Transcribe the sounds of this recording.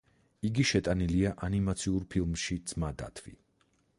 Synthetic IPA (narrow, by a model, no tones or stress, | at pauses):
iɡiʃɛt̪ʼaniliaʔanimat̪sʰiuɾpʰilˠmʃid̪z̥mad̪a̰t̪ʰvḭ